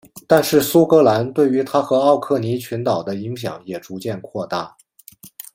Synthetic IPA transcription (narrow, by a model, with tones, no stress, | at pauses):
t̪a˥˧nʂɻ̩˥˩su˥kɤ˧˥la˧˥nt̪we˥˩ɪy˧˥t̪ʰa˥xɤ˧˥ɑ˥˧ʊkʰɤ˥˩ni˧˥t͡ɕʰy˧˥nt̪ɑ˨˩ʊd̪ə˦i˧˥ŋɕ̬jɑ̰˨˧˩ŋjɛ˨˩ʈ͡ʂu˧˥t͡ɕjɛ˥˧nkʰwɔ˥˧t̪a̰˥˩